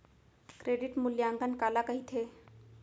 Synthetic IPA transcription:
kɾeɖiʈmuljaŋɡənkalakəɦit̪ʰe

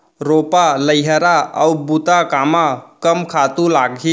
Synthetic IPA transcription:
ɾopaləɪɦəɾaəubut̪akamakəmkʰat̪ulaɡɦi

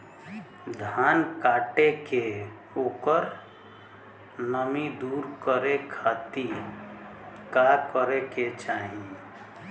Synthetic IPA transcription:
d̪ʱaːnkaːʈeke | oːkəɾ | nəmid̪uːɾkəɾekʰat̪i | kakəɾeket͡ʃaɦĩ

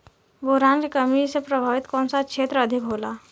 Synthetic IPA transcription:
boɾankekəmisepɾəbʱaʋit̪kɔ̃nsat͡ʃʰet̪ɾəəd̪ʱikɦola

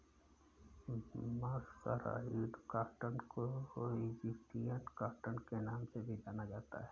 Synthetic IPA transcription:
maːssə̰ɾa̰iːɖ̪kaːʈənkooid͡ʒɪsʈijənkaːʈənkenaːmsebʱid̪anad͡ʒaːt̪a̰ɦɛː

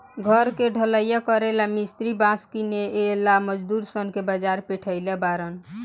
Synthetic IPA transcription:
ɡʱəɾkeɖʱələjakəɾelamist̪ɾibãskineelaməd͡ʒd̪uɾsənkebad͡ʒaɾpeʈʰəjlebaɾən

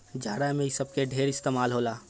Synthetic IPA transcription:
d͡ʒaːɽamẽisəb̚keɖʱeːɾɪst̪eːmaːlɦoːlaː

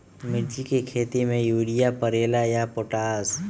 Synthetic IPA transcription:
mɪɾd͡ʒikekʰeːt̪imẽjuːɽijapəɾeːlajapoːʈaːs

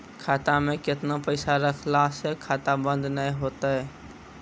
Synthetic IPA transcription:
kʰaːt̪amẽkɪt̪napəɪsaɾəkʰlasekʰaːt̪abə̃nd̪nəĩɦoːt̪aɦɛː

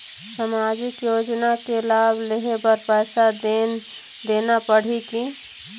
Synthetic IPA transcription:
samaːd͡ʒɪkjoːd͡ʒnakelaːbʱleɦebəɾpɛːsad | d̪enapəɽ̤iki

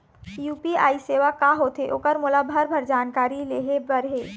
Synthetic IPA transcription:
juːpiaːiseːʋakaːɦot̪ʰeʔʊkəɾmʊlabʱəɾbʱɐɾd͡ʒaːnkaːɾileːɦebɐɾɦeː

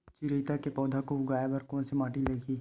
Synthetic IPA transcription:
t͡ʃɪɾiːt̪akepɔːd̪ʱakoʊɡaːebɐɾkɔ̃ːnsimaːʈileːɡiː

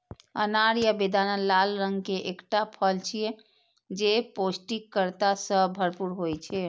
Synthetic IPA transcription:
ə̰naɾjəbed̪ʱanəlalɾəŋɡkeʔekʈapʰəlt͡ʃʰijɛ | d͡ʒeposʈikkːəɾt̪asəbʱəɾpuɾɦojt͡ʃʰɛ

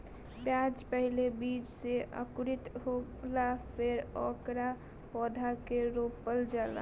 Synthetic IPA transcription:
bjad͡ʒpəɦilebiːd͡ʒseʔə̰kʊɾit̪ɦo | lapʰeɾɔkɾa | pɔːd̪ʱakeɾoppːəld͡ʒala̰

